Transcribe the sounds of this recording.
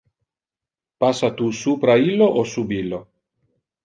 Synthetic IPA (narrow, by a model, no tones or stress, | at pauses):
pasːat̪usuːpɾailːoʔosubilːo